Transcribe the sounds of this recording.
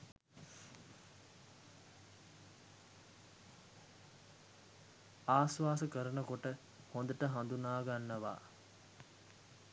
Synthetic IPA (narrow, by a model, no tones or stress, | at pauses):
aːsʋaːsəkəɾənəkoʈə | hond̪əʈəɦand̪unaːɡanːəʋa̰ː